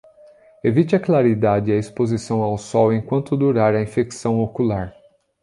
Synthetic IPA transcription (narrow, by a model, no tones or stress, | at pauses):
evit͡ʃɪɐklaɾid̪ad͡ʒɪɐispozisɐ̃w̃awsɔwẽkwɐ̃nt̪ʊd̪uɾaɾɐĩfeksɐ̃w̃okulaɾ